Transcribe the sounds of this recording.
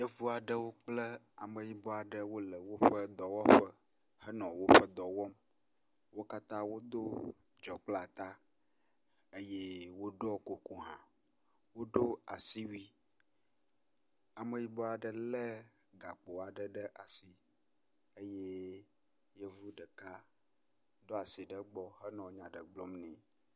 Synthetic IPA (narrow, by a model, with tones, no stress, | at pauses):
jə˦vu˦a˨ɖə˦wo˦k͡plə˦ | a̰˨mə˨ji˦bɔ˦a˨ɖə˦wo˦lə˨wo˦ɸə˦d̪ɔ˨wɔ˦ɸə˦ | hə˦nɔ̃˨wo˦ɸə˦d̪ɔ˨wɔ˦m | wo˦ka˦t̪ã˦wo˦d̪o˦ | d͡ʒɔ˨k͡pla˨t̪a˦ | ə˦je˦wo˦ɖɔ˦ko˨ku˦ɦã̰˨ | wo˦ɖo˦a˨si˦wi˦ | a˨mə̃˨ji˦bɔ˦a˨ɖə˨lɛ˦ | ɡa˨k͡po˨a˨ɖə˨ɖə˦ʔa˨si˨ | e˦je˦ | jɛ˦vu˦ɖə˨ka˦ | d̪ɔ˦a˨si˨ɖə˦ɡ͡bɔ˦ɦə˦nɔ̃˨˦ɲã˨ɖə̰˨ɡ͡blɔ˦mnɛ̃˨